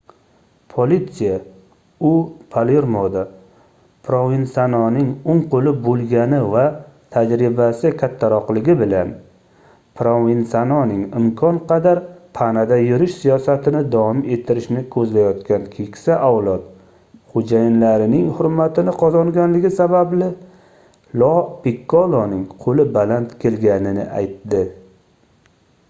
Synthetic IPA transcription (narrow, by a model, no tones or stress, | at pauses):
pʰolit̪sija | ʊpʰaleɾmod̪a | pʰɾovinsanɒnɪŋʊŋqʰolɪbolˠɡʲanɪvat̪ʰad͡ʒɾɪbasɪkʲʰat̪ʰːaɾɒqlɪɡʲɪbɪla̰n | pʰɾovinsanɒnɪŋɪmkʰɒnqʰɑd̪aɾpʰanad̪ajʊɾɪʃsijɒsat̪ʰɪnɪd̪ɒɒme̞t̪ʰːɪɾɪʃnɪkʰɵzlajɒt̪kʲʰankʲʰekʲsaʔawlˠɒt̪ | χod͡ʒajɪnlaɾɪnɪŋhʊɾmat̪ʰɪnɪqʰɒzɒŋɡʲanlɪɡʲɪsabablɪ | lˠɒpɪkʰːɒlˠonɪŋqʰolɪbalant̪kʲʰe̞lɡʲanɪnɪ̰ʔa̰jt̪ːɪ